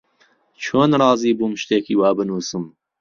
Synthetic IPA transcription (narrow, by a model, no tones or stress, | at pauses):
t͡ʃʰoːnrɑːziːbumʃt̪eːkiːwaːbɨnuːsɨm